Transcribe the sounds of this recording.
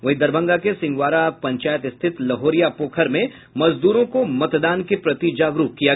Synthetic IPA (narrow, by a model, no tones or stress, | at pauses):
ʋɐɦid̪ɐɾbʱə̃ŋɡakesɪ̃ŋɡʋaːɾapɐ̃ɲt͡ʃaːjət̪ɪst̪ʰɪt̪lɐɦoːɾijapoːkʰəɾmẽ | mɐzd̪uːɾõkomɐt̪d̪aːnkepɾɐt̪id͡ʒaːɡɾukkːija